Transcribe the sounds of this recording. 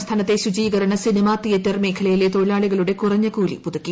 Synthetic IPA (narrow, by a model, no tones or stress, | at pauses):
st̪ʰaːnɐt̪ːe̞ɕud͡ʑiːɡɐɾɐɳɐsinimaːijɐt̪ːɐrme̞ːkʰɐɭɐjilet̪oɻɭaːɭuɣɐɭuɽe̞kurɐɲːɐkuːlḭpuðɐkʲːi